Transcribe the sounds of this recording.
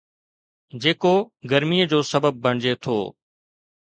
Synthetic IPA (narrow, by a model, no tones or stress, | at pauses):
d͡ʑeːkoːɡəɾmiːəd͡ʑoːsəbəb̚ːʱəɳ̃d͡ʑet̪ʰo̰ː